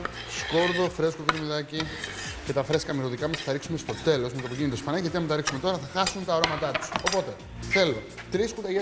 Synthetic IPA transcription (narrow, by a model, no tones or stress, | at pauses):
sko̞ɾðo̞fɾe̞sko̞kɾimiðɐci | ce̞t̪ɐfɾe̞skɐmiɾoðikɐmɐsθɐɾiksume̞st̪o̞t̪e̞lo̞zmet̪opicinit̪ospɐnɐʝɐt̪iɐmet̪ɐɾiksume̞t̪o̞ɾɐθɐxɐsunt̪ɐoɾomɐt̪ɐt̪u̥so̞po̞t̪e̞ | θe̞lo̞ | t̪ɾiskut̪ɐʝe